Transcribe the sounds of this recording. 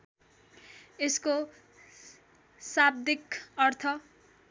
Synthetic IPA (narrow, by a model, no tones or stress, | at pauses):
esko | sab̚d̪ikʌrt̪ʰʌ